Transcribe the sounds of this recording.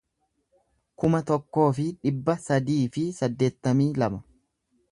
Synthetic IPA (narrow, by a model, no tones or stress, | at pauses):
kʊmɐt̪ɔkːo̞ːfɪᶑɪbːɐsɐd̪iːfɪsɐd̪ːe̞ːt̪ːɐmiːlɐmɐ